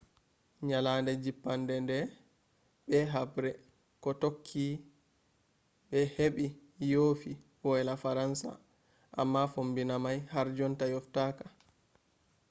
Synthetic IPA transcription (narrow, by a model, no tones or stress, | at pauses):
ɲalandɛd͡ʒipːandɛndɛ | ɓɛɦabɾɛ | kɔtokʰːi | ɓɛheɓijoːfiwɔɛlafaɾansa̰ | ʔa̰mːafombinamajhaɾd͡ʒɔntajɔftaːka